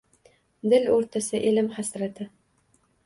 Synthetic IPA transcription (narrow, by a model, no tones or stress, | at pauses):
d̪ɪlɵɾt̪ʰasɪʔɪlɪmχasɾat̪ʰɪ